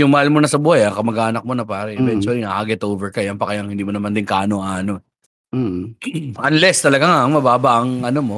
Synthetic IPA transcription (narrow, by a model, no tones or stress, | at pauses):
jʊŋmɐhalmonɐsɐbuːhajakɐmɐɡaːnɐk̚monɐpaːɾɛʔɛvɛnt͡ʃʊɐlinaʔaɡɛt̪oːvɛɹkɐjɐnpɐkɐjaŋhɪnd̪iːmonɐmand̪ɪnkaːʔnoŋaːno | ɐnlɛst̪ɐlɐɡaŋaʔɐŋmɐbaːbɐʔɐŋʔɐnomo